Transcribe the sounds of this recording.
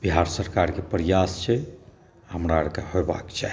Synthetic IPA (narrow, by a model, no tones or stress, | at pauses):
b̥iɦaɾsəɾkaɾkepɾijast͡ʃʰɛ | həmɾaɾkahojba̰kt͡ʃʰa